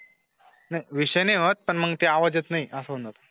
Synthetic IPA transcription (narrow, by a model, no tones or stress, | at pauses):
najʋiɕəjneʋət̪̚pəɳməɡt̪eaʋad͡zet̪naɦiʔəsəɦund̪at̪